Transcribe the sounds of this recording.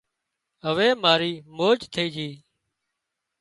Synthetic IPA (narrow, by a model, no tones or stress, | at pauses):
ɦəʋeːmaːɾiːmoːd͡ʒt̪ʰəiːd͡ʒʱiː